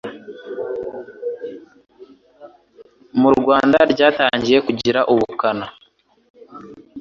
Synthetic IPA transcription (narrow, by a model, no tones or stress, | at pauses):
muɾɡwaːndaɾɟaːtaːɲɟije̞kuɟiɾaʔuβukana